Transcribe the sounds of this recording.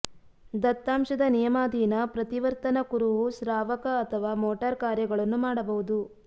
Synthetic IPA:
d̪ɐt̪ːaːmʃɐd̪ɐnijɐmaːd̪ʱiːnɐpɾɐt̪iʋɐɾt̪ɐnɐkuɾuʋusɾaːʋɐkɐːt̪ʰɐʋaːmoːʈɐɾkaːɾjɐɡɐɭɐnːumaːɽɐbɐɦud̪u

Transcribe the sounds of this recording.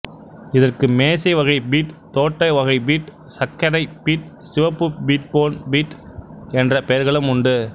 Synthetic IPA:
ɪðɐrkɯmeːsɐɪʋɐɣɐɪbiːʈt̪oːʈːɐɪʋɐɣɐɪbiːʈ | sɐkːɐɽɐɪpiːʈ | sɪʋɐpːɯbiːʈ̚poːnbiːʈɛndrɐpejɐɾɣɐɭɯmʊɳɖɯ

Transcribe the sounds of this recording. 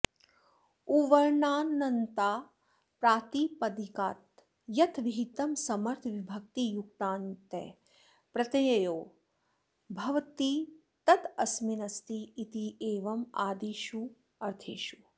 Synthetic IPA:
uʋɐɾɳaːnːɐnt̪aː | pɾaːt̪iːpɐd̪ikaːt̪ | jɐt̪ʰʋiɦit̪ɐmsɐmɐɾt̪ʰʋibʱɐk̚t̪ijuk̚t̪aːnt̪ḛː | pɾɐt̪ɐjɐjoː | bʱɐʋt̪i | t̪ɐt̪ɐsminɐst̪iːt̪ieːʋɐma̰ːd̪iːʃu | ɐɾt̪ʰeːʃu

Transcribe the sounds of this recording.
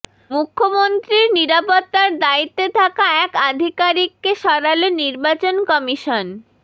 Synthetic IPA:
mukʰːomont̪ɾiɾniɾapot̪ːaɾd̪ait̪ːet̪ʰakaɛkad̪ʱikaɾik̚ːeʃɔɾaloniɾbat͡ɕonkɔmiʃon

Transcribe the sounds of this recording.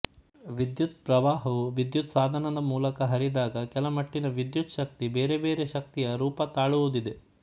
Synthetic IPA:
ʋid̪jut̪̚pɾɐʋaːɦɐʋuʋid̪jut̪saːd̪ʱɐnɐd̪ɐmuːlɐkɐɦɐɾid̪aːɡɐkɛlɐmɐʈːinɐʋid̪jut̪ʃɐk̚t̪ibeːɾebeːɾe̞ʃɐk̚t̪ijɐɾuːpɐt̪aːɭuʋud̪id̪e̞

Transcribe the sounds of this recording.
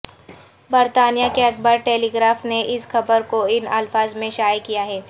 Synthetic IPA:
bɐɾt̪aːnijakeɐkʰbəɾʈeːliːɡɾaːfneʔɪsxɐbəɾkoɪnɐlfaːzmẽʃaːjkijaɦɛː

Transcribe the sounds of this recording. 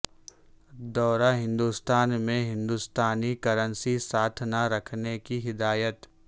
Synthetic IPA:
d̪ɔːɾaɦɪ̃nd̪ust̪aːnmẽɦɪ̃nd̪ust̪aːnikəɾənsisaːt̪ʰnaɾɐkʰnekiɦɪd̪aːjət̪

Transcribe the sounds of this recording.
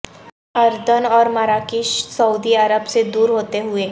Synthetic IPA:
ɐɾd̪ənɔːɾmaɾaːkiːʃsɐuːd̪iɐɾəbsed̪uːɾɦoːt̪eɦʊeː

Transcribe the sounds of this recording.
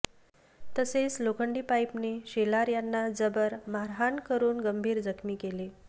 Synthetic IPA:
t̪əset͡slokəɳɖiːpajpneɕelaɾjanːad͡zəbəɾmaɾɦankəɾuːnɡəmbʱiːɾd͡zəkʰmiːkele

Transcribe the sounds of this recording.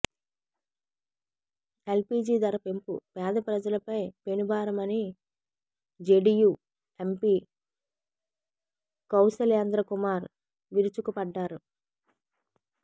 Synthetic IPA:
e̞lpiːd͡ʒiːd̪ɐɾɐpe̞mpṵpɛːd̪ɐpɾɐd͡ʒɐlɐpɐjpe̞nubaːɾɐmɐni | d͡ʒeɖijuː | empiː | kɐwsɐljɐnd̪ɾɐkumaːɾ | ʋiɾut͡ʃukupɐɖːaːɾu

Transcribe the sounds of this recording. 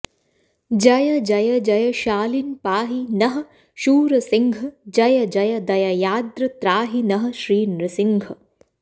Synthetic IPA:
d͡ʒɐjɐd͡ʒɐjɐd͡ʒɐjɐʃaːlinpaːɦinɐɦɐ̆ | ʃuːɾɐsiŋɡʱɐd͡ʒɐjɐd͡ʒɐjɐd̪ɐjɐjaːd̪ɾɐt̪ɾaːɦinɐɦɐ̆ʃɾiːnɾɐsiŋɡʱɐ

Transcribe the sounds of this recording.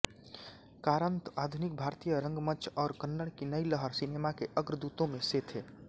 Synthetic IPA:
kaːɾənt̪aːd̪ʱunik̚bʱaːɾt̪ijəɾə̃ŋɡməːt͡ʃʰɔːɾkənːəɽkinəiləɦəɾsineːmakeʔəɡɾd̪uːt̪õmẽset̪ʰeː

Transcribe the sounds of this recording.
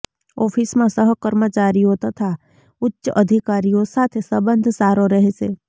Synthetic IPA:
ɔːpʰismãsəɦkəɾmət͡ʃaːɾiõt̪at̪ʰa | ʊtːʃəʔəd̪ʱɪkaːɾijõsaːt̪ʰesəbə̃nd̪ʱsaːɾõɾɐɦesḛː

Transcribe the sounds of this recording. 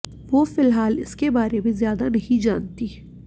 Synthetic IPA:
ʋofɪlɦaːlɪ̰skebaːɾemẽzjaːd̪anɐɦĩd͡ʒaːnt̪i

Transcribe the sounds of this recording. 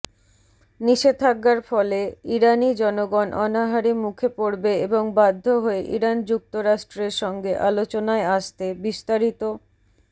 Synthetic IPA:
niʃed̪t̪ʰaɡːaɾfɔleiɾanid͡ʑɔnoɡɔnʔɔnaɦaɾimukʰepoɾbeeboŋbad̪ʱːoɦoeʔiɾand͡ʑuk̚t̪oɾaʃʈɾeɾʃɔŋɡeʔalot͡ɕonaeaʃt̪ebiʃt̪aɾit̪o

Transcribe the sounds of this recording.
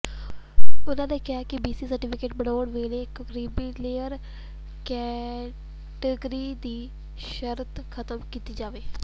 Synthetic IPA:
ʊnãːnẽːkɪaːkɪbiːsiːsəɾʈiːpʰɪkeːʈbəɽaːɳʋeːleːɪkkəɾiːbiːlejəɾ | kɛː | ʈəɡɾiːd̪iː | ʃəɾt̪kʰət̪əmkiːt̪iːd͡ʒaːʋeː

